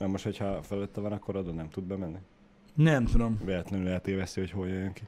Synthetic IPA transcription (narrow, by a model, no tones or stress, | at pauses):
nɛmoʃt̪ho̞chɒfɛløt̪ːɛvɒnɒkːoɾod̪onnɛmt̪ud̪̚bɛmɛnːi | nɛmt̪ud̪omvɛlɛt̪lɛnylɛɦɛt̪eːvɛst̪ːiho̞choljøjːøŋki